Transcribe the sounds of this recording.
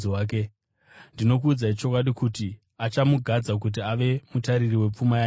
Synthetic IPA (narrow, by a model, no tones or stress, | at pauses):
aːke | ndino̞kuːd͡zait͡ʃo̞kwaɗikuti | at͡ʃamuɡʱad͡zak̬ut̬iaʋe̞mutaɾiriwe̞p͡fumaja